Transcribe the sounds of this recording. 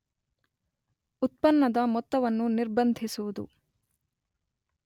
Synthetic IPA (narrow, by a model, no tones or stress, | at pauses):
ut̪̚pɐnːɐd̪ɐmɔt̪ːɐʋɐnːuniɾbɐnd̪ʱisuʋud̪ṵ